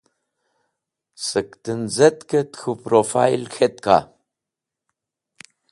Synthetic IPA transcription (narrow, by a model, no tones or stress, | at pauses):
sɨkt̪ɨnzɐt̪kət̪xupɾofa̰jlxet̪ka̰